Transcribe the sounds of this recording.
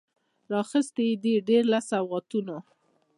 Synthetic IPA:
ɾɑxəst̪id̪eɖeɾlasawɣɑt̪uno

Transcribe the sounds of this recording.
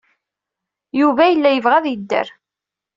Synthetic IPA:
juvæjəlːæjəvʁæðjəd̪ːə̰ɾ

